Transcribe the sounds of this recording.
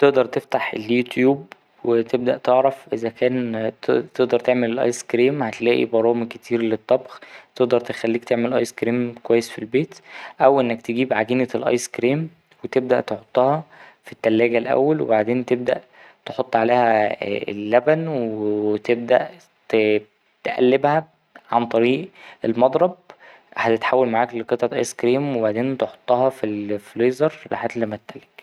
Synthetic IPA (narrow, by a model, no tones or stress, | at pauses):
t̪eʔd̪ɑɾˤt̪eft̪aħḛljut̪juːb̚ | wet̪eb̚d̪æʔt̪eʕɾæfʔezækæːnt̪eʔd̪ɑɾˤt̪eʕmelelʔɑ̰jskɾiːmhæt̪elæːʔḭbɑɾˤɑːmkːet̪ʰiːɾlet̪ˤːɑbxt̪eʔd̪ɑɾˤt̪e̥xælːiːkt̪eʕmelʔɑ̰jskɾiːmkwæjːesfilbeːt̪ʔæwʔenːækt̪eɡiːbʕaɡiːnelʔɑ̰jskɾiːm | wet̪eb̚d̪æʔt̪eħot̪ˤːɑhɑfit̪ːælːæːɡælʔæ̰wːælwḛbaʕd̪eːnt̪eb̚d̪æ̰ʔ | t̪eħot̪ˤːʕaleːhæḛlːæbænwet̪eb̚d̪æ̰ʔ | t̪ | t̪ʔæ̰lːebhæ | ʕant̪ˤɑɾiːʔelmɑd̪ˤɾˤɑb̚ | hæt̪et̪ħawːælmaʕaːkleqet̪ˤʕɑʔɑ̰jskɾiːmwebaʕd̪eːnt̪eħo̥t̪ˤːɑhɑfilfloːzeɾˤla̰ħet̪limæt̪t̪ːælek